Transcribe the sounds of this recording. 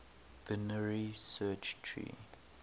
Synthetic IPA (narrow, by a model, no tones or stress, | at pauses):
vɪnəɹisɛːt͡ʃtʰɹḭ